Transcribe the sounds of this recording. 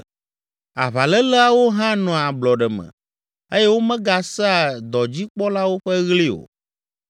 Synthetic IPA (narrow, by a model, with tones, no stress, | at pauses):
a˨βa˨lɛ˦lə˦a˦wo˦ɦã˦nɔ̃˨a˨blɔ˨ɖɛ˨mɛ̰̃˨ | e˦jɛ˦wo˦mɛ̃˦ɡa˨sɛ˦a˨d̪ɔ˨d͡ʑi˦k͡pɔ˦la˦wo˦ɸɛ˦ɣli˦o̰˨